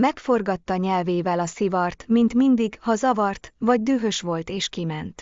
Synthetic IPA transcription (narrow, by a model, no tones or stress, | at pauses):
mɛkfo̞rɡɒt̪ːɒɲɛlveːvɛlɒsivɒrt̪mint̪mind̪iɡhɒzɒvɒrt̪vɒɟ̚d̪yːɦø̞ʃʋo̞lt̪eːʃkimɛnt̪